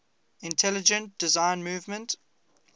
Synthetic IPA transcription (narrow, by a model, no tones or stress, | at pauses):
ɪ̃ntʰɛlɪd͡ʒə̃nt̚d̥ɪzãɪ̃nmuːvmə̃nt